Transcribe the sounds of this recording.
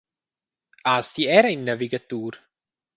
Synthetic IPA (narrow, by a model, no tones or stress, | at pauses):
aːst̪iɛɾainːaviɡat̪uːɾ